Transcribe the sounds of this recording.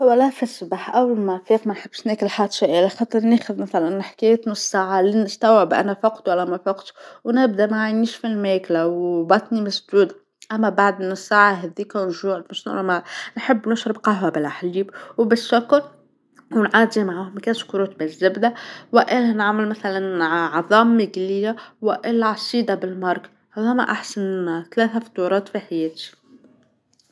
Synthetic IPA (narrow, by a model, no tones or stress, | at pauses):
hʊwːælæfɪsˤbaħʔawːlmafiːqmænħəbːʃnæːkɪlħat̪ʃaʔɪlaxɑːt̪ˤɨɾˤneːxʊðmæθælænħkæjt̪nʊsːaːʕalinɪst̪æwʕɪbʔæ̰næfɑqt̪wælːæmæfɑqt̪wnɪb̚d̪æmaʕajniːʃfilmɛːklawbɑt̪ˤnimæsd̪uːd̪ | ʔæmːæbaʕd̪mnʊsːaːʕaɦɛd̪iːkænʒuːʕmɪʃnʔæ̰nmænħɪbːnʊʃɾɪbqɑɦabɪlʔaħliːbwbɪʃːʊkːɾ | wnʕaːd̪imaʕaːhʊmkæʃkɾuːt̪bɪzːɪbd̪awɪʔɪlænaʕmɪlmaθalanʕɑðˤɑːmːɪɡlɪjːawɪʔɪlːaʕɑsˤiːd̪ɑbɪlmɑɾˤk | hæðæmæ̰ʔaħsanθalæːθafɑ̥t̪ɑɾˤɑːt̪fiħajɛːt̪i̥